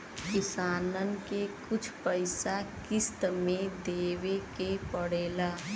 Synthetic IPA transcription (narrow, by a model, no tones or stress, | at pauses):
kɪsaːnənkekʊt͡ʃʰpəɪsakɪst̪mẽd̪eːʋekepəɽeːlaː